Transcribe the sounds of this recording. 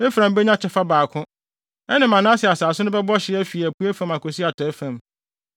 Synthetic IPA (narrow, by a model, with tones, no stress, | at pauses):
e˦fɾã˨m˦bɛ˦ɲã˦t͡ɕʰɛ˦fa˦baː˨kʰʊ̃˦ | ɛ˦nɪ̃˨mã˨nã˦sɪ˨a˨saː˨sʊ˦nʊ̃˦bɛ˦bɔ˦ɕɪ˦ɛ˦fi˨æ˨pʰu˦æ˦fã˨ma˨ko˨si˦a˨tʰɛ˨˦fã˨m